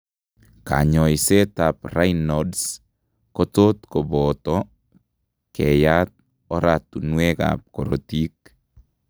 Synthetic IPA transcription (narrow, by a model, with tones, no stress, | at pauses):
ka̰ɲɔ˨jse˦ta˨pra˦inɔds | ko˦to˦t̪ko˨bɔ˨tɔ | kʰɛ˨jat̚ | ɔ˦ɾatu˨nwe˦ka̰p̚ko˨ɾo̰˨ti˦k̚